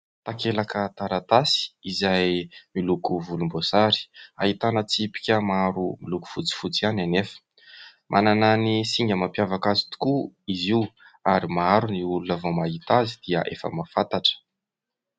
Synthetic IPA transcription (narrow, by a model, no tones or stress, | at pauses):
t̪akelakət̪aɾat̪asi̥izajmilukuvulumbosaɾi̥a̰ɦit̪anət͡sipi̥kʲəmaɾumiluku̥fut͡si̥fut͡siananefə̥ | mʔa̰nananisiŋɡəmapjavakazi̥t̪u̥kuiziw | aɾimaaɾuniulunəvomaɦit̪azid̪iəʔefə̰mafat̪aʈ͡ʂə̥